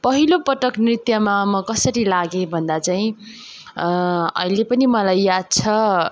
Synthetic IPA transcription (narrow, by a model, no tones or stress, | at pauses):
pʌɦilopʌʈʌknrit̪jʌmamʌkʌsʌɾilaɡẽbʱʌnd̪at͡saĩ | ʌ̰ɦilepʌnimʌlajjad̪̚t͡sʰʌ